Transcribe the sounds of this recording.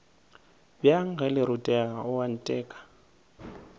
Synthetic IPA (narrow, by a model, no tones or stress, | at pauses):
bjaŋ̩ɣɛlɪɾʊtʼɛaʊwan̩tʼɛːkʼḁ